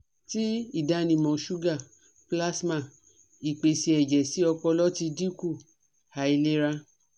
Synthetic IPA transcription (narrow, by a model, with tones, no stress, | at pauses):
ti˦i˦˨da˧nĩ˨mɔ̃˨ʃu˦ɡa˦˨ | pla˦smã˦˨ | i˨k͡pe˨si˧ɛ˨d͡ʒɛ˨si˨˦ɔ˧k͡pɔ˧lɔ˦ti˧di˦ku˦˨ | ha˨˦i˧le˦ɾa˧